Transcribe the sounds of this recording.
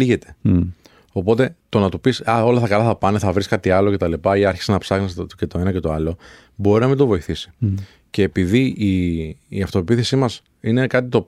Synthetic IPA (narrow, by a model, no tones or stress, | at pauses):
iʝe̞t̪e̞̥ | o̞po̞t̪e̞t̪o̞nɐt̪upisɐo̞lɐθɐkɐlɐθɐpɐneθɐvɾiskɐt̪iɐlo̞ce̞t̪ɐlipɐiɐɾçi̥senɐpsɐɣnisce̞t̪o̞e̞nɐce̞t̪o̞ɐlo̞ | bo̞ɾinɐmind̪ovo̞iθisi̥ | ce̞ːpiðiiː | ɐft̪o̞epiθesimɐs | ine̞kɐt̪̬it̪o̞